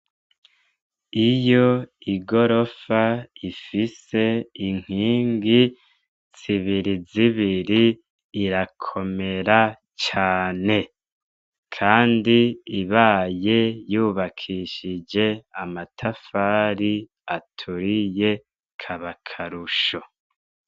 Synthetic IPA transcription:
ijo̞iɡo̞ɾo̞faifise̞iŋ̥hiːŋɡi | z̥iβiɾiziβiɾiː | ɾakʰo̞me̞ɾa | t͡ʃaːne̞ | kʰaːndiiβaːje̞juːβakʰiʃid͡ʒe̞amatʰafaːɾi | atʰuɾije̞ | kʰaβakʰaɾuʃo

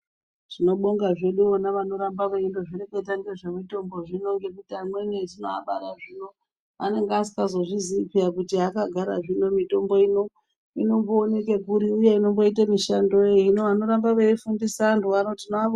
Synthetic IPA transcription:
ʐ̥ino̞ɓoŋɡaʐeɗuonaʋano̞ɾambaʋeindo̞ʐiɾekeitaŋɡeʐemito̞mbo̞ʐino̞ŋɡe̞kutiamwened͡zinoa̰ɓaɾaʐino̞ | a̰ne̞ŋɡeasi̥kazo̞ʐiziːpiakutiakaɡʱaɾa̰ʐino̞mito̞mbo̞ino̞ | ino̞mboːnekekuɾiuje̞ino̞mbo̞it̬amiʃando̞einoano̞ɾambaʋeifundisanduanotinoa

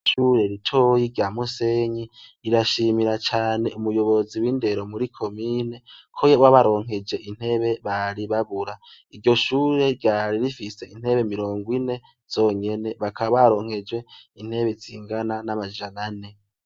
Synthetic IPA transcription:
ʃuɾe̞ɾitʰo̞jiɾɟaːmuse̞ɲiiɾaʃiːmiɾat͡ʃaːne̞umujo̞βo̞ziwiːnde̞ɾo̞muɾikʰo̞mine̞kʰojoβwaβaɾo̞ːŋhe̞d͡ʒe̞ʔin̥he̞βe̞βaɾiβaβuɾa | iɾɟo̞ʃuːɾe̞ɾɟaɾiɾifise̞in̥he̞βe̞miɾo̞ːŋɡwine̞ | z̥o̞ːɲe̞ne̞βakʰaβaɾo̞ːŋ̥he̞d͡ʒwe̞in̥he̞βez̥iːŋɡananamad͡ʒanane̞

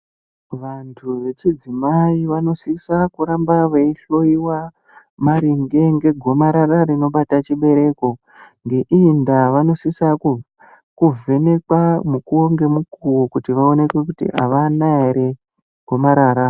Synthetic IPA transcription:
ʋantʰuʋe̞t͡ʃid͡zimaiʋano̞sisakuɾambaʋeiɬo̞iwa | maɾiŋɡe̞ŋɡe̞ɡʱo̞maɾararino̞ɓatat͡ʃiɓe̞ɾe̞ko̞ | ŋɡe̞ʔiːndaʋano̞sisau | kuve̞ne̞kwamukuoŋɡe̞mukuwokutiʋao̞ne̞kwekutḭʔa̰ʋanaeɾe | ɡ̥ʱo̞maɾaːɾa

